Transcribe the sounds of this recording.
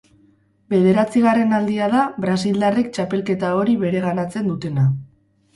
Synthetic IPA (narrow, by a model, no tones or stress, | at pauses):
be̞ðe̞ɾat͡siɣ̞are̞nald̪iaðaβɾas̬ild̪arik̚t͡ʃape̞lke̞t̪ao̞ɾiβe̞ɾe̞ɣ̞anat͡se̞nd̪ut̪e̞na